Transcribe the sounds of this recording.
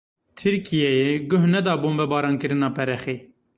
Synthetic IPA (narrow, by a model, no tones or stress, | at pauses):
t̪ʰɨɾkijɛjeɡʊɦnɛd̪ɑːboːnbɛbɑːɾɑːnkɨɾɨnɑːpʰɛɾɛxeː